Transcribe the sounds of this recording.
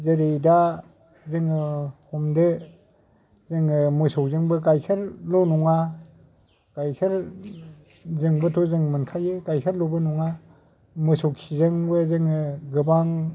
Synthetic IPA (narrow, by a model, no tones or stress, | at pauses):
zeɾejda | zɯŋɯhɔmde | zɯŋɯmɯsɔwzɯŋbɯɡajkʰeɾlɔnɔŋa | ɡ̥ajkʰeɾ | zɯŋbɯtʰɔzɯŋmɯnkʰajɯɡajkʰeɾlɔbɯnɔŋa | mɯsɔwsʰizɯŋbɯzɯŋɯɡɯbaŋ